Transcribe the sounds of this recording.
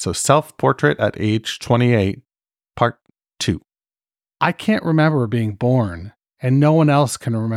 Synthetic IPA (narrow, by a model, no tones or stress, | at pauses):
soʊsɛlˠθpʰɔɹt͡ʃɹ̥ɨɾɨ̰ɾḛɪd̥ʒ̥tʰw̥ɛ̃ɾ̃ieɪt̚ | pʰɑɹtʰ | ʉ̰ | ʔaɪkʰæ̃nʔɹʔɨmɛ̃mbə˞biɪ̃ŋbɔɹn | ɨ̃nːoʊwʌ̃nɛlˠskʰɨ̃nɹɪmɛ̃